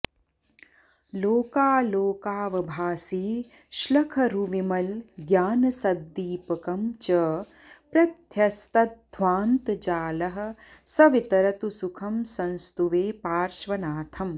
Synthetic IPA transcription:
loːkaːloːkaːʋɐbʱaːsiː | ʃlɐkʰɐɾuʋimɐlɡjaːnɐsɐd̪ːiːpɐkɐmt͡ʃɐ | pɾɐt̪jɐst̪ɐt̪̚d̪ʱʋaːnt̪d͡ʒaːlɐɦɐ̆sɐʋit̪ɐɾɐt̪usukʰɐmsɐnst̪uʋeːpaːɾʃʋɐnaːt̪ʰɐm

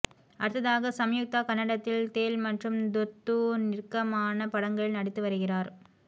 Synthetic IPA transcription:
ʔɐɽɯt̪ːɐðaːɣɐsɐmjʊk̚t̪aːkɐnːɐɽɐt̪ːɪlt̪eːlmɐʈrɯmd̪ɔt̪ːunɪrkːɐmaːnɐpɐɽɐŋɡɐɭnɐɽɪt̪ːɯʋɐɾɯɣɪraːɾ

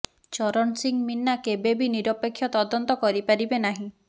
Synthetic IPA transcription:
t͡ʃɔɾɔnsiŋminːakebebiniɾɔpekʰːjɔt̪ɔd̪ɔnt̪ɔkɔɾipaɾibenaɦĩ

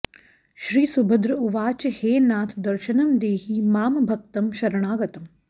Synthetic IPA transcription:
ʃɾiːsubʱəd̪ɾɐuʋaːt͡ʃheːnaːt̪ʰd̪ɐɾʃɐnɐmd̪eːɦimaːmbʱɐk̚t̪ɐmʃɐɾɐɳ̃aːɡɐt̪ɐm

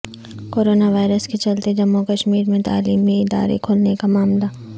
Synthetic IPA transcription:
koːɾoːnaʋaːɪɾəskit͡ʃɐlt̪ed͡ʒɐmːukɐʃmiːɾmẽt̪a̰ːliːmiɪd̪a̰ːɾḛkʰoːlnekamaːmla

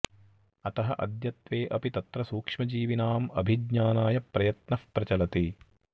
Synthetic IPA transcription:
ɐt̪ɐɦɐʔɐ̰d̪jɐt̪ʋeːʔɐpit̪ɐt̪ɾɐsuːkʂmɐd͡ʒiːʋinaːmɐ̰bʱidɲaːnaːjɐpɾɐjɐt̪nɐfpɾɐt͡ʃɐlɐt̪i

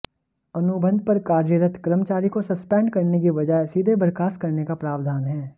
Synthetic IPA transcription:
ɐnʊbʱə̃nd̪̚pɐɾkaːɾjəɾət̪kɾəmt͡ʃaːɾikosɐspɛ̃ːɳɖkɐɾnekiʋɐd͡ʒaːesiːd̪ʱebəɾkaːskɐɾnekapɾaːʋd̪ʱaːnɦɛː

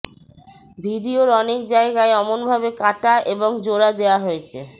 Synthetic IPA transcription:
bʱiɖioɾɔnekd͡ʑaeɡaeɔmonbʱabekaʈaʔeboŋd͡ʑoɾad̪eoaɦojet͡ɕʰe

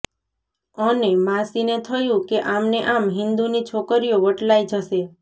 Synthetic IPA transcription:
ənemãsinet̪ʰəjũkeʔamneʔamɦɪnd̪unit͡ʃʰokəɾijoʋəʈlaid͡ʒəse

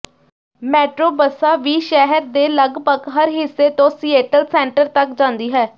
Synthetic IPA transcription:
mɛːʈɾoːbəsaːʋiːʃɛɦəɾd̪eːləɡbəɡɦəɾɦɪsːeːt̪õːsiːeːʈəlsɛ̃ːɳʈəɾt̪əkd͡ʒãːnd̪iːɦɛː

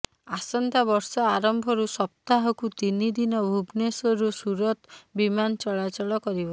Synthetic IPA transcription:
asɔnt̪abɔɾsɔaɾɔmbʱɔɾusɔp̚t̪aɦɔkut̪inid̪inɔbʱubnesɔɾusuɾɔt̪bimant͡ʃɔɭat͡ʃɔɭɔkɔɾibɔ

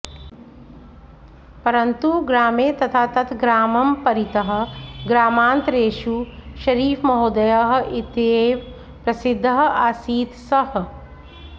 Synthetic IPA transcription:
pɐɾɐnt̪uɡɾaːmeːt̪ɐt̪ʰaːt̪ɐt̪ʰɡɾaːmɐmpɐɾit̪ɐɦɐ̆ɡɾaːmaːnt̪ɾeːʃuʃɐɾiːfmɐɦoːd̪ɐjaːɦɐ̆ʔit̪eːʋ | pɾɐsid̪ʱːɐɦɐaːsiːt̪sɐhɐ̆

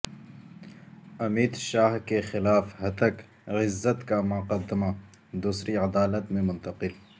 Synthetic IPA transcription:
ɐmiːd̪ʃaːɦkexɪlaːfhɐt̪ək | ɣɪzːət̪kamʊqəd̪ːɪma | d̪uːsɾiɐd̪aːlət̪mẽmʊ̃nt̪ɐqɪl

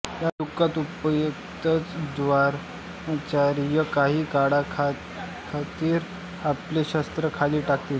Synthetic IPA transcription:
jad̪ukːat̪upəjəkt̪ət͡sd̪ʋaɾ | t͡ɕaɾijəkaɦiːkaɽakʰa | kʰat̪iːɾ | apleɕəst̪ɾəkʰaliːʈakt̪iːl

